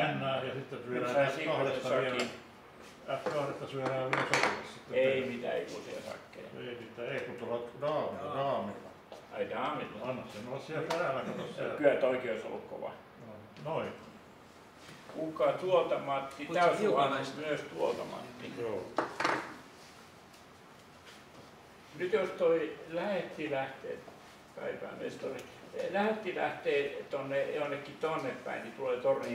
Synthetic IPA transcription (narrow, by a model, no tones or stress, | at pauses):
ænːæːjɑsit̪ːeryønæːɑsikɑhret̪ːɑɑen | ækɑhret̪ːɑsyæɾæːʋisotulɑssit̪ːeeimit̪æ̰ḛikusḛsɑ̰kːḛeimit̪ːˑæeikut̪ːolɑt̪rɑːmilːɑrɑːmilːɑ̰ | ɑid̪ɑːmit̪ːɑɑnːɑssenolːɑssiælpærælækɑnosskyæt̪oikeoiso̰lːukko̰ʋɑ̰ | no | noipɑ | kukɑt̪uot̪ɑmɑt̪ːit̪æsɑnɑmyøst̪uot̪ɑ̰mɑ̰t̪ːioː | nyt̪jost̪oilæhet̪ːilæht̪ḛːt̪ | kɑ̰ipæ̰ːˑmḛst̪oli | læhet̪ːilæ̰ht̪eːt̪onːejonːekːit̪oɑnːeppæ̰init̪uleːt̪orni